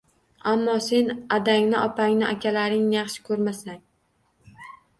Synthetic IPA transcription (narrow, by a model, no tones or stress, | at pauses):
amːɒse̞nad̪aŋnɪʔɒpʰaŋnɪʔakʲʰalaɾɪŋnɪjɑχʃɪ̥kʰɵɾmasaŋ